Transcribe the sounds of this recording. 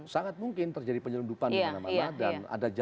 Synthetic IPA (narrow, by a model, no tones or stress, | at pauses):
saŋat̪̚muŋkɪnt̪ərd͡ʒadipəɲəlundupananama̰nadana̰dad͡ʒ